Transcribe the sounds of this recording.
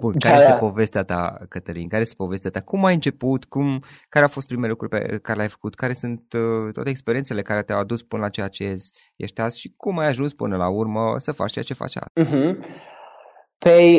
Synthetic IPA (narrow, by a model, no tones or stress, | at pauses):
bunaɾaeet̪epo̞ve̞st̪eat̪a̰kət̪əlḭnkaɾeest̪epo̞ve̞st̪eat̪akumajɨnt͡ʃe̞put̪kumkaɾeawfo̞st̪pɾimeelukɾurʲpḛkaɾelʲajfə̥kut̪kaɾe̞sunt̪t̪ːwa̰t̪eːkspe̞ɾient̪sele̞kaɾet̪eawad̪uspɨnəlat͡ʃejat͡ʃeez | jeʃt̪asʃikumajaʒunspɨ̰nəlaurməsəfa̰t͡ʃt͡ʃejat͡ʃe̞fa̰t͡ʃa̰m̩ɦm̩ | pe